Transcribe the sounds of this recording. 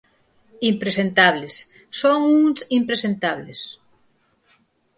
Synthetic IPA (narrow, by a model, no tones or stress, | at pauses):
impɾesent̪aβlesː | oŋuŋsimpɾesent̪aβles